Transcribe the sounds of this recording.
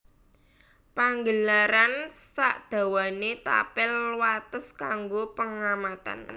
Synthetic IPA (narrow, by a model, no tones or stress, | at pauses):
paŋɡəlaɾansaʔd̪̥ä̤wanet̪a̰pɪlwat̪əskaŋɡopəŋamat̪a̰n